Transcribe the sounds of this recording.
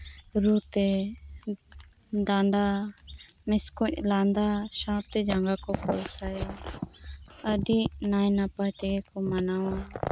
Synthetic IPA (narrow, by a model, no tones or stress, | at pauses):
ɾut̪ɛ | ɖaɳɖa | mɛskɔc̚land̪aʃãt̪ɛd͡ʒaŋɡakɔkɔlsaja | əɖiʔnajnapajt̪ɛɡɛkɔmanawa